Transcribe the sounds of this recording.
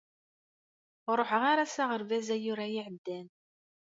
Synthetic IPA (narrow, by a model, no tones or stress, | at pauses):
ɾˤoħəʁaɾasæʁəɾvæzæjʊɾæjiʕəd̪ːæn